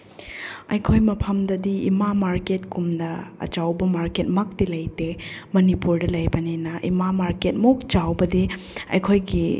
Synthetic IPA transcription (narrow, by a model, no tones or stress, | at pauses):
ɐjkʰojmɐpʰɐmdɐdiḭmamaɾketkumnɐ̰ːt͡ʃawbɐmaɾket̚mɐk̚tilɐjtemɐnipuɾdɐlɐjbɐnenɐʔḭmamaɾket̚mok̚t͡ʃawbɐdi | ɐ̰jkʰojɡi